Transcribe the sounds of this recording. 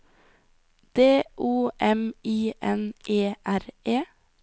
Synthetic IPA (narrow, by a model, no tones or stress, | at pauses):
d̪̥eːʔuːʔɛmiːʔɛnʔeːʔæɾeː